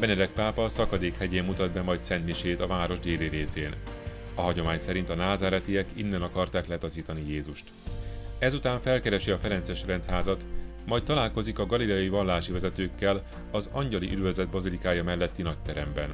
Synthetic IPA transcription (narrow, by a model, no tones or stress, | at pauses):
bɛnɛd̪ɛk̚paːpɒːsɒkɒd̪eːkhɛɟeːmːut̪ɒd̪bɛmɒjt̪sɛnt̪niʃeːt̪ɒvaːɾo̞ʒd̪eːliɾeːsḛːn | ɒɦɒɟo̞maːɲsɛɾint̪ɒnaːzaːɾɛt̪iɛkḭnːɛnɒkɒrt̪aːklɛt̪ɒziːt̪ɒnijeːzuʃt̪ | ɛzut̪aːɱfɛlkɛɾɛʃiɒfɛɾɛnt̪sɛʃrɛnt̪haːzɒt̪ | mɒjt̚t̪ːɒlaːlko̞zikɒɡɒlilɛɒjivɒnlːaːʃivɛzɛt̪øːkːɛl | ɒzɒɲɟɒliʔyd̪vøzɛd̪̚bɒzilikaːjɒmɛlːɛt̪ːinɒc̚t̪ɛɾɛmbɛ̰n